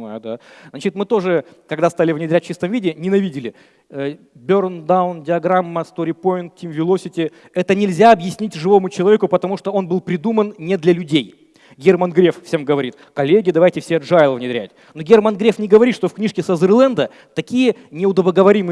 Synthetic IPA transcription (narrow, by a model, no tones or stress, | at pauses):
ajd̪a | znat͡ɕɪt̪mɨt̪o̞ʐɨ | kɐɡd̪ast̪alʲɪvnʲɪd̪ɾʲæt̚ʲt͡ɕist̪əmvʲidʲɪnʲɪnɐvʲidʲɪlʲɪ | ə | bʲornd̪aʊndʲɪɐɡɾamːəst̪oɾʲɪpo̞jɪnt̪̚tʲːimvʲɪlˠosʲɪtʲɪ | ɛt̪ənʲɪlʲzʲaɐbjɪsʲnʲitʲʐɨvo̞mʊt͡ɕɪlˠɐvʲekʊpət̪ɐmuʂt̪oo̞nbɨlˠpɾʲɪd̪umənnʲɪd̪lʲɐlʲʉdʲej | ɡʲermənɡɾʲe̞ffsʲemɡəvɐɾʲit̪kɐlʲːeɡʲɪd̪ɐvajtʲɪfsʲeɐdʐajlˠəvnʲɪd̪ɾʲæ̰tʲ | noɡʲermənɡɾʲefnʲɪɡəvɐɾit̪ʂt̪o̞fknʲiʂkʲɪsəzɨrlˠɛnd̪ə | t̪ɐkʲijənʲɪʊd̪əbəɡəvɐɾʲimɨ